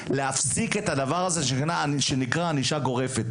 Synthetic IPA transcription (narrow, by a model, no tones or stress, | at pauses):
le̞afsike̞t̪had̪avaʁazeʃenaʃe̞nikʁaaniʃaɡo̞ʁe̞fe̞t̪